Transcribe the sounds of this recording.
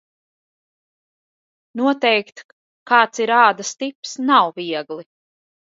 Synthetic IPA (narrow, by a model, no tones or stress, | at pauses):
nuɔt̪ɛjkt̪ | kaːt̪siɾaːd̪ast̪ipsnawviɛɡlˠi